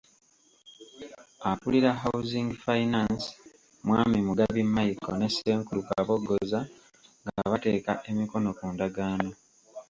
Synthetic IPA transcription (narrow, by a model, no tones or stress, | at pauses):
apuliɾaɦawziŋɡfainans | mwaːmimuɡaβimːajiko̰ne̞seːŋkuluka̰βo̞ɡːo̞za | ŋɡaaβate̞ːkaʔe̞miko̞no̞kundaɡaːno̞